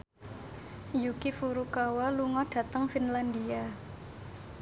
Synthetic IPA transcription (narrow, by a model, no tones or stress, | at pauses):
jukifuɾukawaluŋɔɖ̥ä̤t̪əŋfinlandia